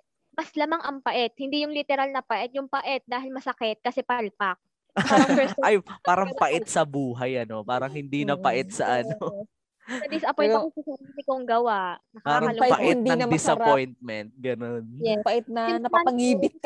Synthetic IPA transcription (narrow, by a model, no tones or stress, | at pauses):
bɐslamaŋʔɐŋpɐʔɛt̪̚hɪnd̪ijʊŋlɪt̪ɛɾalnɐpɐʔɛt̪̚jʊŋpɐʔɛt̪̚d̪aːɦɪlmɐsɐkɛt̪̚kɐsɛpɐlpak̚ | pɛɐjpaːɾɐŋpɐʔɛt̪̚sɐbuːɦɐjʔɐno̞paːɾɐŋhɪnd̪inɐpɐʔɛt̪̚sɐʔɐno | sɐd̪ɪsɐpɔjnɐkosɐsɪid̪ɪkoŋɡɐwaʔnɐkapaːɾɐɐlopɐʔɛt̪d̪ɐŋnɐd̪ɪsɐpojnt̪̚mɛnt̪̚ɡɐnonpɐʔɛt̪̚nɐnɐpɐŋiːbɪt̪̚k